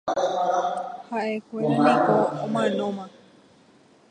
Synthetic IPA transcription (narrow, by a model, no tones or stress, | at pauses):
haʔekʷeɾamĩkoomãnõmã